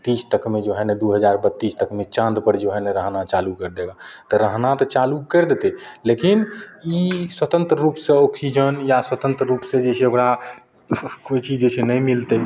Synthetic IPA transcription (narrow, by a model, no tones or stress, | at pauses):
t̪ːiːst̪əkʰmed͡ʒoɦɛned̪uɦəd͡ʒaɾbət̪ːist̪əkʰmet͡ʃãnd̪pəɾd͡ʒoɦɛneɾəɦnat͡ʃalukəɾd̪eɡat̪əɾəɦnat̪ət͡ʃalukəɾd̪et̪elekiniswət̪ə̃nt̪ɾəɾupsẽɔksid͡ʒənjaswət̪ə̃nt̪ɾɾupsẽd͡ʒeseokɾa | koit͡ʃid͡ʒet͡ʃʰenɛmilt̪ə